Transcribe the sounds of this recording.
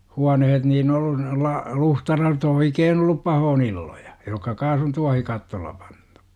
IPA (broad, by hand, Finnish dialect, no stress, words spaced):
huɑnehet niːn olːu nolːɑ luhtɑlɑrot oikeːn olːup pɑhoːn ilːoj̊ɑ̥ jokːɑ kɑːs on tuɑhikɑtːoːlˑɑ pɑ̥n̥tu̥